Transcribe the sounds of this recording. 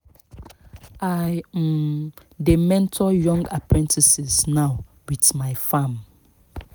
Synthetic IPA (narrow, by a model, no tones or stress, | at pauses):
aj̩ | demɛ̃ntʰɔjɔ̃ŋɡapɹɛ̃ntʰisisnaʊ | wiθmaɪfãm